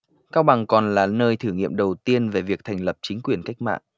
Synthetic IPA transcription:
kaː˧wɓa˨˩ŋkɔ˨˩nlaː˨˩nəː˧jt̪ʰɨ˧˩ŋḭ˧˨əmɗə˨˩wt̪i˧ənve˨˩vi˨˩ək̚t̪ʰɛ˨˩ŋ̟lə˨˩p̚t͡ɕï˨˦ŋ̟kwi˨˩ənka˦˥jk̟̚ma̰ː˧˨nʔ

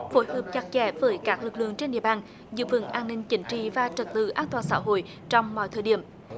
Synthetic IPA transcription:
fo˨˦jhəː˨˩p̚t͡ɕa˨˩k̚t͡ɕɛ̰˧˥vəː˨˦jkaː˦˥k̚lɨ˨˩k̚lɨ̰˧˨əŋt͡ɕe˧nɗḭ˧˨əɓaː˨˩n | zɨ̰˧˨fə̰˧˩nʔaː˧nːï˧ŋ̟t͡ɕï˨˦ŋ̟t͡ɕḭ˧˨vaː˨˩t͡ɕə˨˩t̚t̪ɨ̰˧˨ʔaː˧nt̪waː˨˩nsaː˧˥ɦo̰˧˨j | t͡ɕɔ˧wŋ͡mmɔ̰˧˨jt̪ʰəː˧˩jɗi˧˩əm

